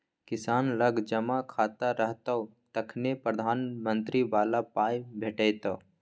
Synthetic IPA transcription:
kɪsaːnləɡʱd͡ʒəmakʰaːt̪aɾəɦt̪əu | t̪əkʰnepɾəd̪ʱaːnmə̃nt̪ɾiʋaːlapaːjbʱeʈəjt̪oː

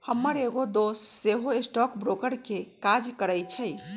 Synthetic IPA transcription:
həmːəɾeɡod̪osːeɦoesʈɔkbɾokəɾkekad͡ʒkəɾəjt͡ʃʰə

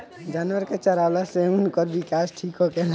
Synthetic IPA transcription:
d͡ʒaːnwəɾket͡ʃəɾaːlaseunkɔɾbikaːsʈʰiːkɦokel

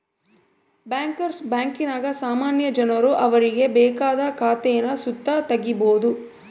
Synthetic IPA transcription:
bjaːŋkɐɾsbaːŋkinaːɡɐsaːmaːnjɐd͡ʒɐnɐɾuʔɐʋɐɾiɡe̞bɛːkaːd̪ɐkaːt̪ɛjɐnɐsut̪ːɐt̪ɐɡːibo̞ːd̪u

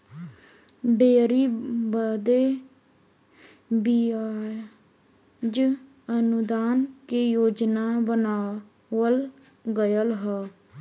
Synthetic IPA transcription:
beːɾiːbəd̪eː | biːaː | d͡ʒ | ənʊd̪aːnkeːjoːd͡ʒnaːbənaː | ʋəl | ɡəjəlɦɛː

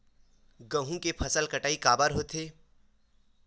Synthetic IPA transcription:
ɡə̃ɦũkepʰɐsəlkɐʈaːikaːbəɾɦoːt̪eː

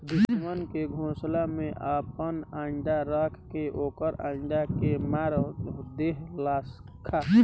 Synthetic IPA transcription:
d̪ʊsmənkeɡʱõːslamẽʔaːpənãːɳɖaɾakʰkeʔoːkəɾãːɳɖakemaːɾd̪eːɦlaːs | kʰaː

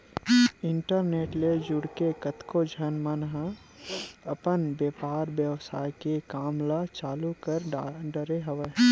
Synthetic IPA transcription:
ɪɳʈəɾneːʈled͡ʒʊɽkekət̪kod͡ʒʱənmənɦə | ɐpənbjeːpaːɾbjəʋsaːjkekaːmlat͡ʃaːlukəɾɖəɾeɦəʋe

